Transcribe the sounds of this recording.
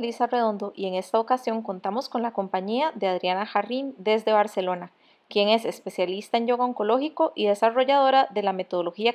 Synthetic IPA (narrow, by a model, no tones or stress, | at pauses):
lisare̞ðo̞nd̪o̞ʔie̞ŋe̞st̪aokasjo̞ŋko̞nt̪amo̞sko̞nlako̞mpaɲiaðeaðɾjanaxarind̪e̞zd̪e̞βaɾse̞lo̞na | kje̞ŋe̞se̞spe̞sjalist̪ae̞ɲd͡ʒo̞ɣaoŋko̞lo̞xiko̞ʔiðe̞saro̞ʝaðo̞ɾaðe̞lame̞t̪o̞ð̞olo̞xia